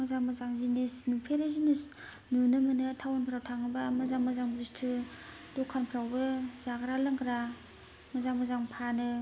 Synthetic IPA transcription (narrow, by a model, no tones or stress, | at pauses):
mazaŋmazaŋzinesnupʰeɾazinis | nunɯmɯnɯtʰawanpʰɾawtʰaŋɯbamɐzaŋmazaŋbɾistʰu | dokʰːanpʰɾawbɯzaɡɾalɯŋkʰɾa | mɐzaŋmazaŋpʰanɯ